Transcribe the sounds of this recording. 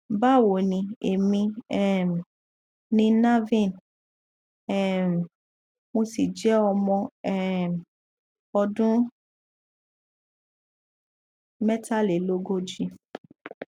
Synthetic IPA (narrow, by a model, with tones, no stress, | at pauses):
ba˦˨wo˨nĩ˧e˨mĩ˧ɛ˦˨m˨ | nĩ˧na˦vĩ˦˨n | ɛ˦˨m˨ | mo˧si˨d͡ʒɛ˨˦ɔ˧mɔ̃˧ɛ˦˨ | ɔ˧dũ˦ | mɛ˦ta˦le˨lo˦ɡo˦d͡ʒi˧